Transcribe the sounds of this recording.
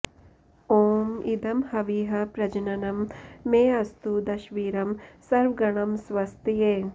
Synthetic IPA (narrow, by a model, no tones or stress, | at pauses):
oːmid̪ɐmhɐʋiːɦɐpɾɐd͡ʒɐnɐnɐmːeːɐst̪ud̪ɐʃʋiːɾɐmsɐɾʋɡɐɳ̃ɐmsʋɐst̪jeː